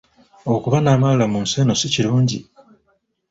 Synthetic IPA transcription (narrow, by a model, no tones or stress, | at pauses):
o̞kuβanaːmalulamuːnseno̞siciɾuːɲɟḭ